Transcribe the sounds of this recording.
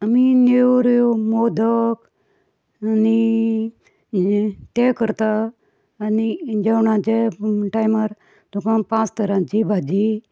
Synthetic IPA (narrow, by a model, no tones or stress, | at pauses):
amineʋɾjomod̪ək | ani | t̪ekəɾt̪aː | nid͡ʒewɳãt͡ʃeʈajmaɾ | t̪ukãpãt͡st̪əɾãt͡ʃibʱad͡ʒi